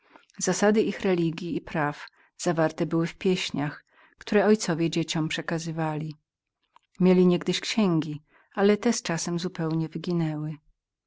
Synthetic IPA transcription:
zasad̪ɘʔixɾɛlʲiɡʲjiːpɾaf | z̥avaɾt̪ɛbɘwɘfpʲjeɕɲax | kt̪uɾɛɔjt̪sɔvʲjɛd͡ʑet͡ɕɔmpʂɛkazɘvalʲi | mʲjelʲiɲɛɡd̪ɘɕkɕɛŋɡʲi | alɛt̪ɛst͡ʂasɛmzupɛwɲɛvɘɡʲinɛwɘ

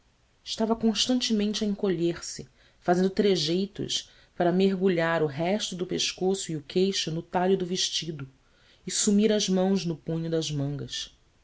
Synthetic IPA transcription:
ɪʃt̪avɐkõʃt̪ɐ̃nt͡ʃimẽnt͡ʃɐẽŋkoʎeɾsɪ | fazẽnd̪ʊt̪ɾeʒejt̪ʊ̰ʃ | paɾɐmeɦɡuʎaɾʊɦɛʃt̪ʊd̪ʊpeʃkosʊiʊkʰejʃʊnʊt̪aʎʊd̪ʊveʃt͡ʃid̪ʊ | ɪsumiɾɐʒmɐ̃w̃znʊpũɲʊd̪ɐʒmɐ̃ŋɡɐs

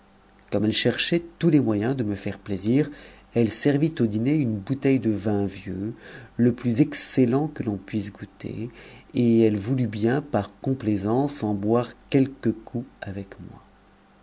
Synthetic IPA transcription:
kɔmɛlʃɛʁʃɛt̪ulemwajɛ̃d̪əməfɛʁpleziːʁ | ɛlsɛʁvit̪od̪ineynbut̪ɛjd̪əvɛ̃vjøləplyzɛkselɑ̃kəlɔ̃pɥisɡut̪ʰḛeɛlvulybjɛ̃paʁkɔ̃plezɑ̃sɑ̃bwaʁkʲɛlkəkʰuavɛkmwa

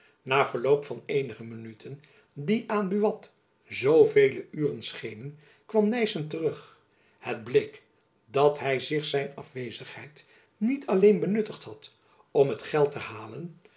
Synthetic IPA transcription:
naːv̥əɹlowpfɑnejnəχəmənytʰən | diʔaːnbyʋɑt | zowvejləyːrənsχejnən | kʋɑmnɛjsəntərɵχ | həd̚blek | dɑtɦɛjzɪχsɛjnɑ̰fʋejzəχhɛjt | nitʰɑlejnbənɵtəχtɦɑt | ɔmɦətχɛlˠtəhaːlən

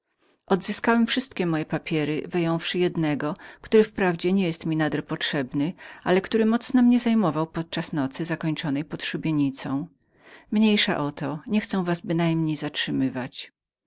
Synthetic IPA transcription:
ʔɔd̪zɘskawɛmfʂɘst̪kʲɛmɔjɛpapʲjɛɾɪ̰vɘjɔ̃w̃fʂɘjɛd̪nɛɡɔkt̪uɾɘfpɾavd͡ʑɛɲɛjɛst̪mʲinad̪ɛɾpɔtʂɛbnɘʔalɛkt̪uɾɘmɔt̪snɔmɲɛzajmɔvawpɔt̪̚t͡ʂasnɔt̪sɘzakɔɲt͡ʂɔnɛjpɔt̪ʂubʲjeɲit̪sɔ̃w̃ | mɲejʂa̰ʔɔt̪ʰɔɲɛxt̪sɛ̃w̃vasbɘnajmɲejzatʂɘmɘvat͡ɕ

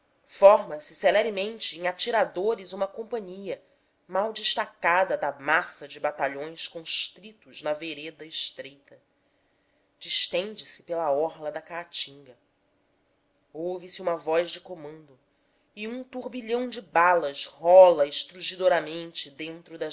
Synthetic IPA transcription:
fɔɾmɐsɪselɛɾimẽnt͡ʃɪẽŋat͡ʃiɾad̪oɾizũmɐkõmpɐ̃ɲiɐ | mawd͡ʒiʃt̪akad̪ɐd̪ɐmasɐd͡ʒɪbat̪aʎõj̃skõʃt̪ɾit̪ʊznɐveɾed̪ɐɪʃt̪ɾejt̪ɐ | d͡ʒiʃt̪ẽnd͡ʒɪsɪ̥pelɐɔɾlɐd̪ɐkat͡ʃĩŋɡɐ | owvɪsɪũmɐvɔzd͡ʒɪkomɐ̃nd̪ʊ | iũt̪uɾbiʎɐ̃w̃d͡ʒɪbalɐzhɔlɐɪʃt̪ɾuʒid̪oɾɐmẽnt͡ʃɪd̪ẽnt̪ɾʊd̪ɐ

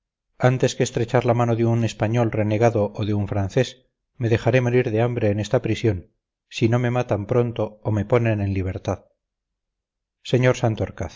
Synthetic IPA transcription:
ant̪e̞skeːst̪ɾe̞t͡ʃaɾlamanoðeune̞spaɲo̞lre̞ne̞ɣ̞aðo̞ʔoðeuɱfɾanθe̞s | me̞ðe̞χaɾe̞moɾiɾðeambɾe̞ːne̞st̪apɾisjo̞n | sino̞me̞mat̪ampɾo̞nt̪o̞ːme̞po̞ne̞ne̞nliβ̞e̞ɾt̪að | se̞ɲo̞ɾsant̪oɾkaθ

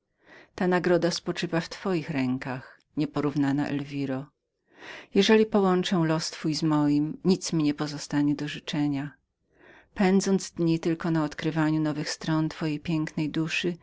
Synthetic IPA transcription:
t̪anaɡɾɔd̪aspɔt͡ʂɘvaft̪fɔjixɾɛŋkax | ɲɛpɔɾuvnana̰ʔɛ̰lvʲiɾɔ | jɛʐɛlʲipɔwɔnt͡ʂɛw̃lɔst̪fujzmɔjimɲit̪smʲiɲɛpɔzɔst̪aɲɛd̪ɔʐɘt͡ʂɛɲa | pɛnd̪zɔnd̪zd̪ɲit̪ɘlkɔnaɔt̪kɾɘvaɲunɔvɘxst̪ɾɔnt̪fɔjejpʲjɛŋknɛjd̪uʂɘ

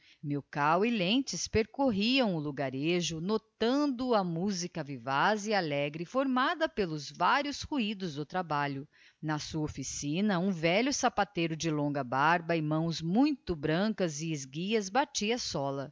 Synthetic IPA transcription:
mewkawɪlẽt͡ʃɪspeɾkoɦiɐ̃w̃ʊluɡaɾeʒʊnot̪ɐ̃d̪ʊɐmuzikɐvivazialɛɡɾɪfoɾmad̪ɐpelʊzvaɾjʊshuid̪ʊzd̪ʊt̪ɾabaʎʊ | nɐsuɐofisĩnɐũvɛʎʊsapat̪ejɾʊd͡ʒɪlõŋɡɐbaɾbɐɪmɐ̃w̃zmũj̃t̪ʊbɾɐ̃kɐzɪːzɡiɐzbat͡ʃiɐsɔlɐ

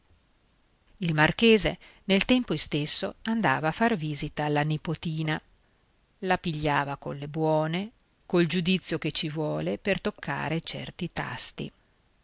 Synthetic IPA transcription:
ilmarkeːzḛnelt̪ɛmpost̪esːoand̪aːvaːfːarviːzit̪aːlːanipot̪iːna | lapiʎːaːvako̰lebwɔːne | kold͡ʒud̪it̪sːjoket͡ʃivwɔːlepert̪okʰːa̰ːɾet͡ʃɛ̰rt̪it̪a̰st̪ḭ

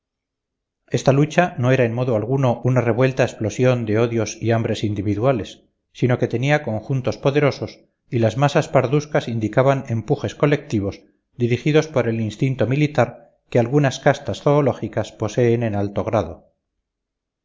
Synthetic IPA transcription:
e̞st̪alut͡ʃano̞e̞ɾaenmo̞ðoalɣuno̞ʔunare̞βwe̞lt̪aesplo̞sjo̞nd̪e̞o̞ðjo̞siambɾe̞sind̪iβiðuale̞sː | ino̞ke̞t̪e̞niako̞ŋxunt̪o̞spo̞ðe̞ɾo̞so̞s | ilazmasaspaɾðuskasind̪ikaβane̞mpuxe̞sko̞le̞k̚t̪iβoz | d̪iɾixiðo̞spo̞ɾe̞linst̪int̪o̞milit̪aɾ | kealɣunaskast̪asθo̞ːlo̞xikaspo̞se̞ːne̞nalt̪o̞ɣ̞ɾaðo̞̰

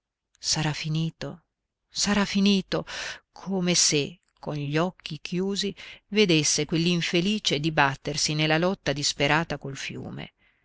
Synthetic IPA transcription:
saɾafiniːt̪o | saɾafːiniːt̪okʰoːmese | kʰːonʎɔkʰːikʰjuːzived̪esːekwelːiɱfeliːt͡ʃed̪ibat̪ːersinelːalɔt̪ːad̪ispeɾaːt̪akolfjṵːmḛ

